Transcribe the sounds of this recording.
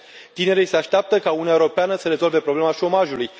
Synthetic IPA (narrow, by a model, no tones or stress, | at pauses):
t̪ine̞ɾise̞aʃt̪eap̚t̪əkaunuaeuɾopeanəsəɾe̞zo̞lve̞pɾo̞ble̞maʃo̞maʒuluj